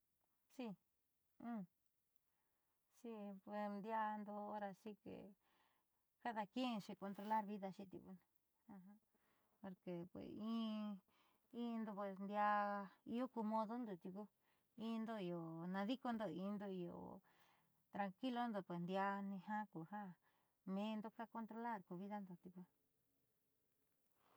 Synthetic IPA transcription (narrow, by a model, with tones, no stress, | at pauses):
ʂi˧ | ũ˦˧ | ʂi˦pwe˨snd̪ja˧nd̪o˧o˦ɾa˧ʂi˦kḛ˨ | ka˦ða˧kẽ˦˧ʂi˧ko˧nt̪ɾo˧la˦ɾβi˦ða˧ʃi˧t̪ḭ˧ku˧nĩ˧ | ã˧ɦã˧˦ | po˧ɾke˨pwḛ˨sĩː˦ | ĩ˧˦˧nd̪o˧pwe˨snd̪ja˧ḭ˧jo˦ku˧mõ˧ðo˦nd̪o˨t̪i˧ku˦ | ĩ˦˧nd̪o˧i˧o˨nã˧ði˦ko˧nd̪o˧ĩ˧nd̪o˧i˧o̰˨ | t̪ɾa˧ŋki˦lo˦nd̪o˧pwe˨snd̪ja˧nĩ˧hã˦ku˨ha˦ | mẽ˧nd̪o˧ka˦ko˧nt̪ɾo˧la˦˨ɾku˧βi˦ða˦nd̪o˨t̪i˧ku˧˦